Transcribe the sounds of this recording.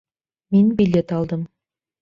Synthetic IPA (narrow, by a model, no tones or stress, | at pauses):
minbilʲːet̪ɑlˠd̪ɤm